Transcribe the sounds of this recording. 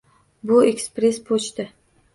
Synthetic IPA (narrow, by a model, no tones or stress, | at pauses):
bʊekspɾe̞spʰot͡ʃt̪ɪ